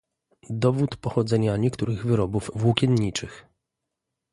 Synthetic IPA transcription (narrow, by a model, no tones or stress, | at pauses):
d̪ɔvut̪pɔxɔd̪zɛɲaɲɛkt̪uɾɘɣvɘɾɔbuvvwukʲɛnɲit͡ʂɘx